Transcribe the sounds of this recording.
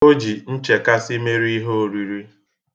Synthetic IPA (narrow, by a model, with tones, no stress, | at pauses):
o˦d͡ʒi˨n̩˦t͡ʃe˨ka˦sɪ˦me˦ɾi˦ɦo˦o˨ɾi˨ɾi˦